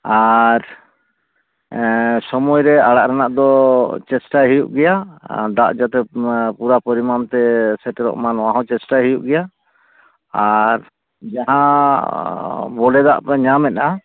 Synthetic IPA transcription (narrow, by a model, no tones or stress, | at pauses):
aɾ | sɔmɔjɾɛaɽaʔɾɛnaʔd̪ɔt͡ʃɛsʈaɦijuʔɡɛjad̪a̰ʔd͡ʒat̪ɛpuɾapɔɾimamt̪ɛsɛʈɛɾɔ̰ʔmanɔwaɦɔ̃t͡ʃɛsʈaɦijuʔɡɛja | aɾ | d͡ʒaɦã | bɔɖɛd̪a̰ʔpɛɲamɛt̪̚a